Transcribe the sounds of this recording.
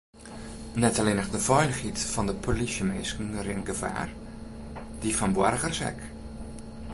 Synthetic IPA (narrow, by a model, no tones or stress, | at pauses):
nɛtaleːnəxdəfœjlxitfɔndəpʰolisjəmeskən̩rɪnɡəfa̰ːr | d̥ifɔnbwarɣərsɛ̰k